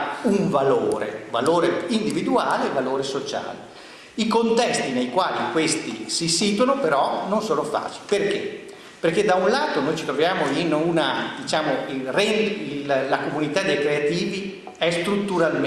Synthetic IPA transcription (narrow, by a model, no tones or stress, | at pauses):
uɱvaloːɾḛva̰loːɾeind̪ivid̪uaːlevaloːɾesot͡ʃa̰ːlḛ | ikont̪ɛst̪inejkwaːlikwest̪isisit̪wanopeɾɔnonsoːnofa̰ːt͡ʃi̥liperke | perked̪aunlaːt̪onojt͡ʃit̪ɾovjaːmoinunad̪it͡ʃaːmoirɛnillakomunit̪ad̪ejkɾeat̪iːvi | ɛst̪ɾut̪ːuɾalm